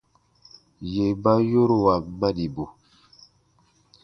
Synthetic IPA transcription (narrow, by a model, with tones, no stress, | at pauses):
je˨ba˦jo˦ɾo˨wa˨ma˦ni˨bo˨